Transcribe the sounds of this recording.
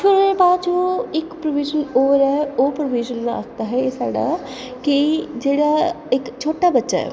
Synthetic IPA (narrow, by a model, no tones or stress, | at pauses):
fʰɪɾebaːd͡ʒoɪkpɾəʋiːd͡ʒənoːɾɛopɾəʋiːd͡ʒənla̰kt̪aɦɛesa̰ːɽa̰kid͡ʒeːɽa | ekt͡ʃʰoːʈabɐtːʃa̰ɦɛ̰